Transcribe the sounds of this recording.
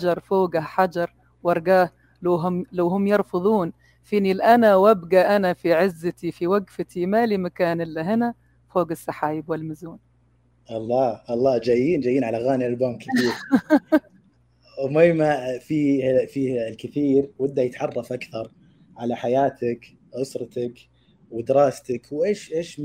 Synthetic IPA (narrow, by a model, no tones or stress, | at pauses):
d͡ʒɑɾˤfoːɡaħad͡ʒɑɾˤ | wɑɾˤɡaːh | lawɦlawɦʊmːjɪɾˤfɨðˤuːn | fiːnilʔanawabɡaʔanafiʕɪzːat̪ifiwaɡfɪt̪imalimakaːnɪlːaɦɪna | foːɡasˤːɑħaːjɪbwɪlmɪzuːn | ʔɑlˤːɑːʔɑlˤːɑːd͡ʒajːiːnd͡ʒajiːnʕalaɣaːniɪlbaːmkɪθiːɾ | ʔʊmajmafiːfiːlkɪθiːɾwɪd̪ːaʕjɪt̪ʕɑrˤːɑfʔakθɑɾˤ | ʕalaħajaːt̪ak | ʕʊsɾˤɑt̪ak | wɪd̪ɪɾɑːst̪akwʔeːʃʔeːʃ